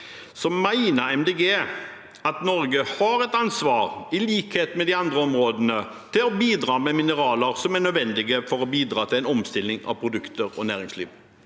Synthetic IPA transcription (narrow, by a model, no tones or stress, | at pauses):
sɔmæɪnəɛmd̪eɡeː | ɑt̪nɔɾɡəhɑɾɛt̪ɑnsʋɑːɾɪliːkheːt̪mɛd̪ɪɑnd̪ɾəɔmɾoːd̪ənə | t̪ʰɪlɔbiːd̪ɾɑːmɛmɪnəɾɑːləɾsɔmæɳœd̪ʋɛnd̪ɪɡəfɔɾɔbiːd̪ɾɑːt̪ʰɪlæɪnɔmst̪ɪlːɪŋɑ̰ʋpʰɾʊd̪ʉkt̪əɾɔ̰næːɾɪŋslḭːʋ